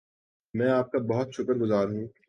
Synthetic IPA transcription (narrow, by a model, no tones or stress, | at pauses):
mɛ̃ːaːp̚kabɐɦʊt̪ʃʊkəɾɡʊzaːɾɦũː